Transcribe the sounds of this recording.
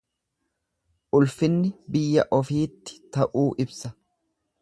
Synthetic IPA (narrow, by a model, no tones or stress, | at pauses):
ʔʊlfɪnːɪbɪjːɐʔɔfiːt̪ːɪ̥t̪ɐʔuːʔɪbsɐ